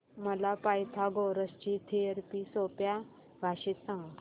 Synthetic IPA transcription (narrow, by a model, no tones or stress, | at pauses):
məlapajt̪ʰaɡoɾəst͡ɕit̪ʰeəɾpiːsopja | bʱaɕit̪sãŋɡə